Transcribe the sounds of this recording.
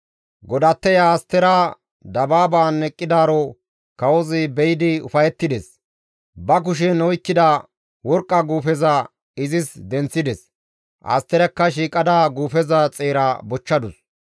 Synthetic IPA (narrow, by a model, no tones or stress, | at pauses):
ɡɔd̪ɐt̪ːɛjaːst̪ːɛɾa | d̪ɐbaːbaːnːɛkʼːɪd̪aːɾɔ | kɐwɔzɪbɛjɪd̪ɪʊ̰fɐjɛt̪ːɪd̪ɛs | bɐk̬ʊʃ̬ɛnɔjkːɪd̪ɐ | wɔɾkʼːɐɡuːfɛzɐ | ɪzɪsd̪ɛnt͡sːɪd̪ɛs | ʔɐ̰st̪ːɛɾɛkːɐʃiːkʼɐd̪aɡuːfɛzɐt͡sʼeːɾɐbɔt͡ʃːɐd̪ʊs